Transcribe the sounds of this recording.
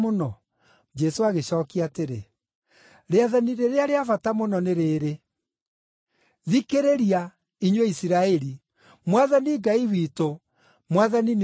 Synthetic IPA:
onɔ | d͡ʒɛsoaɣeɕɔːkiateɾḛ | ɾeaðaniɾeɾeaɾeafatamonɔneɾeːɾe | ðikeɾeɾia | iɲweisiɾaɛɾi | mwaðaniɡaiwiːto | mwaðanin

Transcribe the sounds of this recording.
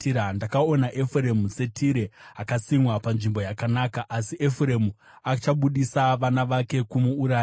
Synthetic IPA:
andakao̞naʔe̞fure̞muse̞tʰiɾe̞akasimwapanʐimbo̞jakanakaʔasiʔe̞fure̞mu | at͡ʃaɓuɗisaʋanaʋake̞kumuːɾaːjo

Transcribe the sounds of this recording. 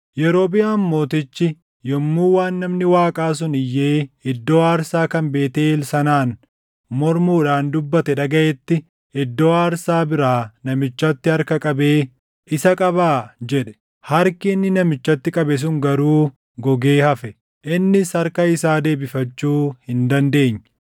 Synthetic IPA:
jɛɾo̞ːbɪjaːmːo̞ːt̪ɪt͡ʃːɪ | jɔmːuːwaːnːɐmnɪwaːkʼaːs̬ʊnɪjːe̞ːɪd̪ːo̞ːaːɾsaːkɐmbe̞ːt̪eːlsɐnaːn | mɔɾmuːᶑaːnd̪ʊbːɐt̪ɛᶑɐɡɐʔɛt̪ːɪ | ɪd̪ːo̞ːaːɾsaːbɪɾaːnɐmɪt͡ʃːɐt̪ːɪhɐɾkɐkʼɐbe̞ː | ʔɪsɐkʼɐbaːd͡ʒɛᶑɛ̥ | hɐɾkɪːnːɪnɐmɪt͡ʃːɐt̪ːɪkʼɐbɛs̬ʊŋɡɐɾuː | ɡɔɡe̞ːhɐfɛ | ʔɪnːɪsɐɾkɐɪsaːd̪e̞ːbɪfɐt͡ʃːuːhɪnd̪ɐnd̪e̞ːɲː

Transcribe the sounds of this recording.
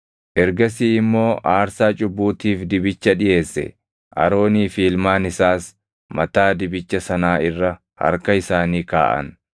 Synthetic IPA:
ʔɛɾɡɐsiːɪmːo̞ːʔaːɾsaːt͡ʃʼʊbːuːt̪iːfd̪ɪbɪt͡ʃːɐᶑɪje̞ːsːɛ̰ | ʔɐ̰ɾo̞ːniːfiːlmaːnɪsaːs | mɐt̪aːd̪ɪbɪt͡ʃːɐsɐnaːɪrːɐ | hɐ̰ɾkɐɪsaːniːka̰ːʔɐ̰n

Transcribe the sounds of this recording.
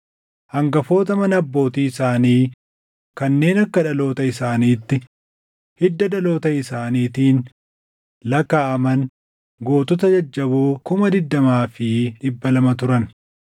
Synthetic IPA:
hɐŋɡɐfo̞ːt̪ɐmɐnɐbːo̞ːt̪iːɪsaːniː | kɐnːe̞ːnɐkːɐᶑɐlo̞ːt̪ɐɪsaːniːt̪ːɪ | hɪd̪ːɐd̪ɐlo̞ːt̪ɐɪsaːniːt̪iːn | lɐkaːʔɐmɐn | ɡo̞ːt̪ɔt̪ɐd͡ʒɐd͡ʒːɐbuːkʊmɐd̪ɪd̪ːɐmaːfɪᶑɪbːɐlɐmɐt̪ʊɾɐn

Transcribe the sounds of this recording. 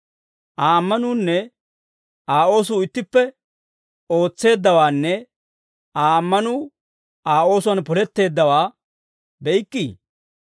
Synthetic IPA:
ʔaːmːɐnuːnːɛ | aːo̞ːs̬ʊːɪt̪ːɪpːɛ | o̞ːt͡sːe̞ːd̪ːɐwaːnːɛ | aːmːɐnuː | aːo̞ːsʊwɐnpɔlɛt̪ːe̞ːd̪ːɐwaː | bɛjɪkʼːiː

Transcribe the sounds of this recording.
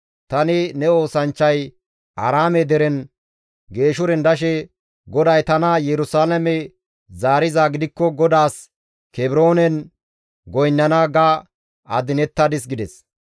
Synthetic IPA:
t̪ɐnɪnɛo̞ːsɐnt͡ʃːɐj | ʔɐ̰ɾaːmɛd̪ɛɾɛn | ɡe̞ːʃʊɾɛnd̪ɐʃ̬ɛ | ɡɔd̪ɐjt̪ɐnɐjɛɾʊsaːlɐmɛ | zaːɾɪzaːɡɪd̪ɪkːɔɡɔd̪aːs | kɛbɪɾo̞ːnɛn | ɡɔjnːɐnaɡa | ɐd̪ɪnɛt̪ːɐd̪ɪs̬ɡɪd̪ɛs

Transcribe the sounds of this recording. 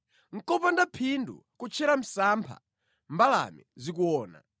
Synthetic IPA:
ŋ̩kɔpandapʰindṵkut͡ʃʰɛɾam̩saːmpʰa̰ | mbala̰mḭzik̬uɔːna̰

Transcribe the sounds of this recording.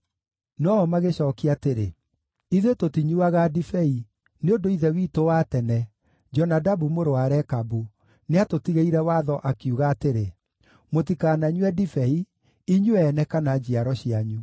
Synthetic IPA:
nɔmaɣeɕɔːkiateɾḛ | iðwetotiɲuaɣadifɛi | neondoiðɛwiːtowaːtɛnɛ | d͡ʒɔnadabumoɾoaɾɛkabu | neatotiɣeiɾɛwaðɔʔakiuɣaːteɾe | motikaːnaɲwɛdifɛi | iɲuɛːnɛkanad͡ʑiaɾɔɕiaɲu

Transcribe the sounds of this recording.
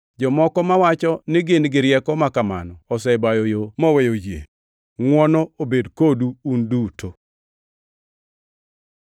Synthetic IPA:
d͡ʒɔmɔkɔmawat͡ʃɔnɪɡɪnɡɪɾjɛkɔmakama̰nɔːsɛbajɔjomɔwɛjojjḛ | ŋwɔnɔobedkoduːndutʰo

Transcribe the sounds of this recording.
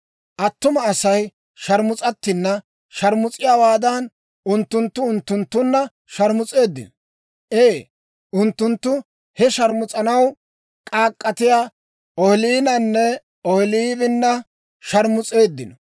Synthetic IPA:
ʔɐt̪ːʊmɐːsɐj | ʃɐɾmʊt͡sʼɐt̪ːɪnːɐ | ʃɐɾmʊt͡sʼɪjaːwaːd̪ɐn | ʔʊnt̪ːʊnt̪ːʊʊnt̪ːʊnt̪ːʊnːɐ | ʃɐɾmʊt͡sʼe̞ːd̪ːɪ̰nɔ | ʔeː | ʔʊnt̪ːʊnt̪ːʊ | hɛʃɐɾmʊt͡sʼɐnɐw | kʼaːkʼːɐt̪ɪja | ɔhɪliːnɐnːɛ | ɔhɪliːbɪnːɐ | ʃɐɾmʊt͡sʼe̞ːd̪ːɪnɔ

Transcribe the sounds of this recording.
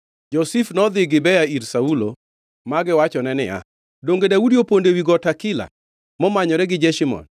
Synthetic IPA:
d͡ʒɔsifnɔd̪ɪɡɪbɛjaiɾsaulo | maɡɪwat͡ʃɔnɛnɪ̰ja̰ | doŋɡedaudiopondewiɡɔtakɪla̰ | mɔmaɲɔɾɛɡɪd͡ʒɛʃimɔ̰n

